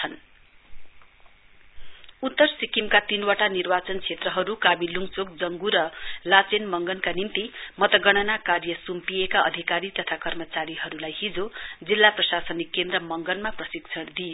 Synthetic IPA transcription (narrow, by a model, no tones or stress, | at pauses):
ʌn | ut̪ːʌrsikimkat̪inwaʈanirbat͡sʌnt͡sʰet̪rʌɦʌɾukabilːuŋt͡sok̚d͡zʌŋɡuɾʌlat͡senmʌŋɡʌnkanint̪imʌt̪ʌɡʌɽ̃ʌnakarjʌsumpiekaʔʌ̰d̪ʱikaɾit̪ʌt̪ʰakʌrmʌt͡saɾiɦʌɾulajhid͡zod͡zilːaprʌsasʌnikːend̪rʌmʌŋɡʌnmaprʌsiɡt͡sʰʌɽd̪ijo